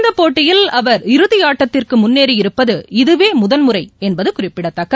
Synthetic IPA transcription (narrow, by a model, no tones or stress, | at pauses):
nd̪ɐpːoːʈːɪjɪlɐʋɐɾɪɾɯðɪjaːʈːɐt̪ːɪrkɯmʊnːeːɾiɪɾɯpːɐðɯɪðɯʋeːmʊðɐnmɯɾɐɪɛnbɐðɯkʊrɪpːɪɽɐt̪ːɐkːɐ